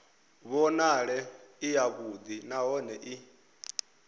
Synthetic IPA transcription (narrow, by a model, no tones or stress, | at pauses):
βɔnaɺɛijaβud̪inaɦɔnɛʔi